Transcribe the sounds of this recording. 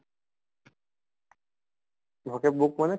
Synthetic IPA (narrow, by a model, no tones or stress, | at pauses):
bʱokebuk̚mane